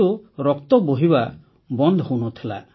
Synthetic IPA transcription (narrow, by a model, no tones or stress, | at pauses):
uɾɔkt̪ɔboɦiba | bɔnd̪ʱɔɦownɔt̪ʰila̰